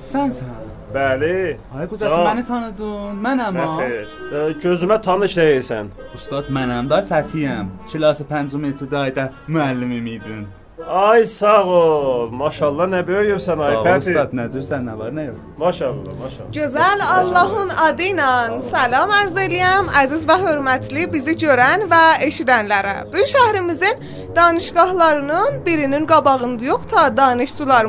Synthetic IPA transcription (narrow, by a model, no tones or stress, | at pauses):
sænsæn | b̥æli | ɑjɡuzæmænit̪ʰɑnɯd̪unmænæmɑeɾd͡ʒøzymæt̪ʰɑnɯʃd̪ejejsæn | ust̪ɑd̪mænæmd̪ɑjfæt̪ʰijæmcʰilɑːsipʰænzumip̚t̪ʰid̪ɑid̪æmyælːimimijd̪in | ɑjsɑɣolmɑʃɑlˠːɑnæbøjøɾsænɑjfæst̪ɑt̪næziɾsænːævɑɾnæjoχ | mɑʃɑlˠɑ̰mɑʃɑ̰ɟøzælɑlˠːɑɦɯnɑd̪inɑnsælɑmæɾze̞lijæmæzizvæɦø̞ɾmæt̪ʰlibiziɟø̞ɾænvæe̞ʃid̪ænlæɾæ̰b̥yʃæhɾimizin | d̪ɑnɯʃɡɑhlˠɑɾɯnɯnbiɾininɡɑbɑʁɯnd̪ɯjo̞χt̪ʰɑd̪ɑnɯʃsulˠɑɾ